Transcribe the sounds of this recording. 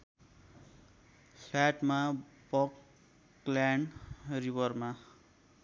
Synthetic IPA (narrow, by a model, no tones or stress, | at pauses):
pʰlaʈmabʌk | laɳribʌrma